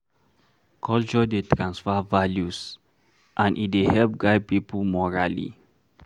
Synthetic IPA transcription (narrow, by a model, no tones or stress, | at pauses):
kʰɔlt͡ʃɔdetɹãnsfavaljus | ʔãnʔḭt̚dehɛlp̚ɡaɪd̚pipəmɔɹa̰lḭ